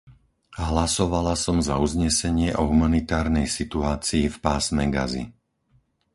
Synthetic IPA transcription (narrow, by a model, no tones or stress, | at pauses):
ɦlasɔʋalasɔmzauzɲɛsɛɲɪɛʔɔɦumanit̪aːɾnɛjsit̪uaːt͡siːfpaːsmɛɡa̰zḭ